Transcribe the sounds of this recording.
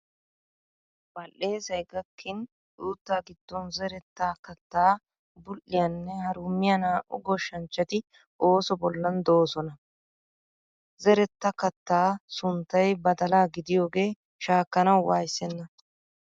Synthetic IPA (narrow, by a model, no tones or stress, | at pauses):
bɐlːe̞ːsɐjɡɐkʰːɪn | ʔuːt̪ːaːɡɪd̪ːɔnzɛɾɛt̪ːaːkɐt̪ːaː | bʊlːɪjɐnːɛhɐɾʊmːɪjɐnaːʔʊ̰ɡɔʃːɐnt͡ʃːɐt̪ɪ | o̞ːsɔbɔlːɐnd̪o̞ːsɔnɐ | zɛɾɛt̪ːɐkɐt̪ːaːsʊnt̪ːɐjbɐd̪ɐlaːɡɪd̪ɪjo̞ːɡe̞ː | ʃaːkːɐnɐwwaːjsɛnːɐ